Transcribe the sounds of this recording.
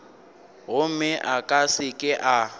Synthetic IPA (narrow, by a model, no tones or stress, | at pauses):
ɦʊmɪʔakʼasɪkʼɪʔa